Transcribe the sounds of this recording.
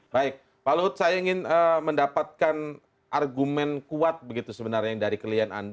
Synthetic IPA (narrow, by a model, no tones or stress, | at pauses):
baɪk̚ | palut̪sajaiŋɪnəməndapat̪̚kan | ʔarɡumɛnkuat̪̚bəɡit̪usəbənarɲadaɾikəliana̰nd